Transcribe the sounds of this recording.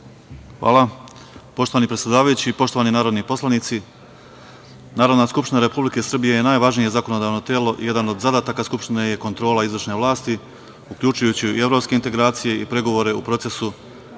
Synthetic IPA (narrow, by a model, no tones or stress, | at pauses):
xʋa̰ːla | po̞ʃt̪oanipɾet̪ʲjed̪aːʋajut͡ɕipo̞ʃt̪o̞ʋaninaːɾo̞d̪nipo̞slˠanit̪si | naːɾo̞d̪naskupʃt̪inaɾe̞publike̞sr̩bije̞je̞naːjʋaʒnije̞zako̞no̞d̪aːʋno̞t̪jeːlˠo̞ʔḭje̞d̪ano̞d̪zad̪aːt̪akaskupʃt̪ineje̞ko̞nt̪ɾo̞ːlaizʋr̩ʃne̞ʋlˠaːst̪i | ukʎuːt͡ʃujut͡ɕiie̞ʋɾo̞pske̞int̪e̞ɡɾaːt̪sije̞ipɾe̞ɡo̞ʋoɾe̞upɾo̞t̪se̞su